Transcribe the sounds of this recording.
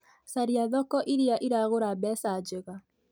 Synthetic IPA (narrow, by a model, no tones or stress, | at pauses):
saɾiaðɔkɔʔiɾeaʔiɾaɣoɾabɛsad͡ʒeɣa